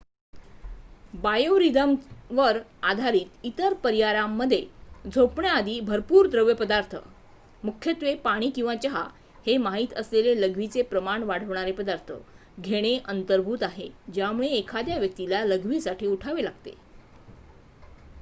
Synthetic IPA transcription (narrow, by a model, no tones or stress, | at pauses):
bajoɾid̪əmʋəɾad̪ʱaɾiːt̪it̪əɾpəɾjaɾamːəd̪ʱːjed͡zʱopɳjaad̪iːbʱəɾpuːɾd̪ɾəʋjəpəd̪aɾt̪ʰə̰ | mukʰjət̪ʋepaɽ̃iːkĩw̃ʋat͡ɕəɦa̰ | hemaɦit̪əsleleləɡʱʋit͡sepɾəmaɳʋaɽ̤əʋɳaɾepəd̪aɾt̪ʰə̰ | ɡʱeɽ̃eʔənt̪əɾbʱuːt̪aɦed͡ʑjamuɭeːkʰad̪jaʋjək̚t̪ilaləɡʋiːsaʈʰiːuʈʰaʋelaɡt̪ḛ